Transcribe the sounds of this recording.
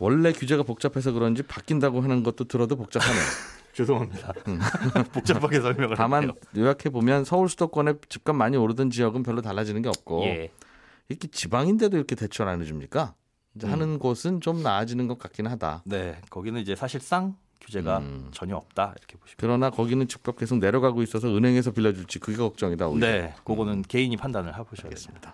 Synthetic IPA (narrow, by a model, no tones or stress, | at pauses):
wʌɭːe̞kjud͡ʑe̞ɡapok̚t͡ɕ͈apʰe̞s̬ʰʌkɯɾʌnd͡ʑipak͈indaɡoɦanɯnɡʌt̚t͈otɯɾʌdopok̚t͡ɕ͈apʰanejot͡ɕedoɦamɲida | pokt͡ɕ͈apʰakʰesʰʌɭmjʌŋɯɭtamanjojakʰe̞bomjʌnsʰʌuɭs͈ʰudok͈wʌne̞t͡ɕip̚k͈anmaɲioɾɯdɯnd͡ʑijʌɡɯnpjʌɭːotaɭːad͡ʑinɯnɡe̞ʌp̚k͈o | ikʰet͡ɕibaŋinde̞doiɾʌkʰe̞te̞t͡ɕʰʌɾanɯd͡ʑumɲik͈a | id͡ʑehanɯnɡosʰɯnt͡ɕomnaːd͡ʑinɯnɡʌt̚k͈ak͈inɯnɦada̰ne̞kʌɡinɯnid͡ʑe̞sʰaɕʰiɭs͈aŋ | kjud͡ʑe̞ɡat͡ɕʌɲiʌp̚t͈aḭɾʌkʰebo̥ɕʰi̥kɯɾʌnakʌɡinɯnt͡ɕip̚k͈ap̚k͈e̞sʰok̚ne̞ɾjʌɡaɡois͈ʌs̬ʰʌɯnɦe̞ŋe̞s̬ʰʌpiʎːʌd͡ʑuɭt͡ɕ͈ikɯɡekʌk̚t͡ɕ͈ʌŋidao̰inekoɡonɯnke̞iɲipʰandanɯɭɦaboaɡes͈ɯmɲid̥a